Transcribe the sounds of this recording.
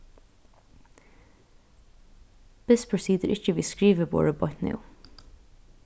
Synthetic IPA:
ðɪspʰɹ̥əsiːd̪əʔɪt͡ʃəviskɹiːvəbɔ̰ɹəbɔtnḭ

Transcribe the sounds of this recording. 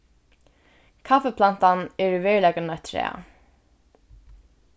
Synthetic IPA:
kʰafɛpʰlan̥t̪anɛɹvɛːɹlɛːkənœt̪ʰɾɛ̰ːa̰

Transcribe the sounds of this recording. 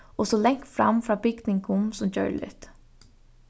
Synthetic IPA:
ɔsɔlɛŋ̥kfɾa̰mfɾaːbɪɡt̪nɪŋkʊmsʊmt͡ɕœ̰ɹlɪ̰t̪

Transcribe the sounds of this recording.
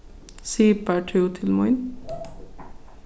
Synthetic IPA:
sipaʈʰiut̪ʰilmojn

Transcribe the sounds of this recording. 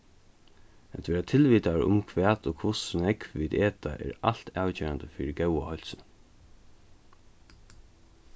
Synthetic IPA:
æt̪ʋɛːɾat̪ʰɪlʋiːt̪aɹʊ̰mkʰʋæːt̪ɔkʰʊsnɛkʋiːd̪eːt̪a̰ʔɛ̰ːɹa̰l̥t̪ʰaːwt͡ɕɛːɾand̪əfiːɾɪɡɛwahɔl̥sən

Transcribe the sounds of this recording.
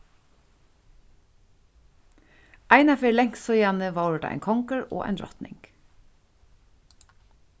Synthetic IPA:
ʔæɪnɑfeːlɛŋssoːjænəʋɑːɹɖ̰ʔæ̰ɪŋkʰɔŋkəɹo̰ːæ̰ɪnɾɔ̰t̪nɪ̰ŋɡ̥

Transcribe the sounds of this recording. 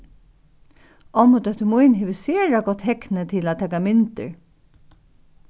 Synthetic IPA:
ʔɔmʊt̪œht̪əmujnɦeːʋəseːɹaɡɔt̪hɛknət̪ʰɪlat̪ʰɛːkamɪnt̪ə̰ɹ

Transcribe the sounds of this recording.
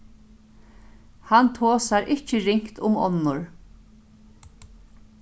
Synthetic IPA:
hant̪ʰoːsaɾʔɪt͡ʃɪɾɪŋ̥kt̪ʊmɔ̰nːʊɹ

